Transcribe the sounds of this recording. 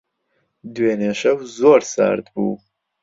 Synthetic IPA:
d̪weːneʃɐwzoːɾsa̰ːɾd̪bṵː

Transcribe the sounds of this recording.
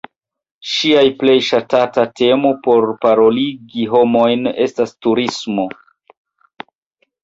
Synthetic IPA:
ʃiajple̞jʃatatate̞mopo̞ɾpaɾo̞liɡiɦo̞mo̞jne̞stastuɾismo̞

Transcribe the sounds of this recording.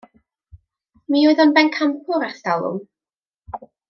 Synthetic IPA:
miːoɨðɔnbɛnkʰampʰʊɾaθtalˠʊ̰m

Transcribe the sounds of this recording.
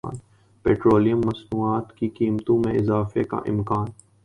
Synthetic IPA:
n | peːʈɾoːlijə̃mːɐsnuːaːt̪kikiːmt̪õmẽɪzaːfeka̰ʔɪ̰̃mkaːn

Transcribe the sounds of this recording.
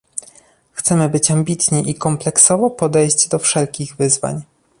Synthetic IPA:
xt̪sɛmɘbɘt͡ɕambʲit̪ɲiʔikɔmplɛksɔvɔpɔd̪ɛjʑd͡ʑd̪ɔfʂɛlkʲiɣvɘzva̰ɲ

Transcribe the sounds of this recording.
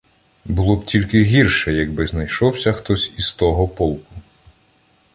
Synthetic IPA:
bʊlˠɔbtʲilʲkɪɦʲirʃɛjɐɡbɪznɐjʃɔwsʲɐxt̪ɔsʲist̪ɔɦɔpɔlˠkʊ

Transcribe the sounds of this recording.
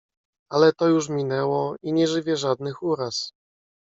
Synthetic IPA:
alɛt̪ɔjuʂmʲinɛwɔiɲɛʐɘvʲɛʐad̪nɘxuɾas

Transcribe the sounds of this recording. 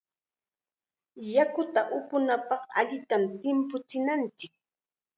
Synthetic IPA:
jakʊt̪aʔʊpʊnapɑχa̰ʎɪt̪amt̪ɪmpʊt͡sɪnant͡ʃɪk̚

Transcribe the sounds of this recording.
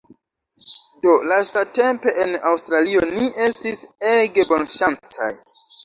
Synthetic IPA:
do̞lastate̞mpe̞ʔenawstɾalionie̞stise̞ɡe̞bo̞nʃant͡sa̰j

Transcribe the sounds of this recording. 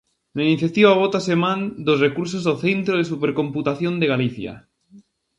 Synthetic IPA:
lainiθjat̪iβaβ̞ot̪asemãnd̪osrekuɾs̬ozðoθent̪ɾoðesupeɾkõmput̪aθjond̪eɣaliθja̰

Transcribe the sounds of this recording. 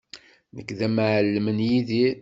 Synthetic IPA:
nəkːðæmʕəlːmənjiði

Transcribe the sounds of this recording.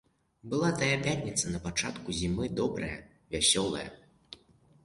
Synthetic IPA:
bɨlˠat̪ɐjɐpʲat̪ʲnʲit̪sɐnɐpat͡ʂat̪kuzʲimɨd̪ɔbɾɐjɐ̰ | vʲasʲɔlˠɐ̰jɐ̰

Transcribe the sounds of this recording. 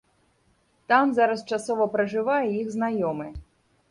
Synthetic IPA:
t̪amzaɾɐst͡ʂasɔvɐpɾɐʐɨvajɛjiɣznajɔmɨ

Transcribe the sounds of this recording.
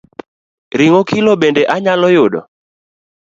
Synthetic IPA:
ɾɪŋɔkʰɪlɔɓɛndɛʔaɲalɔjʊɗɔ̰

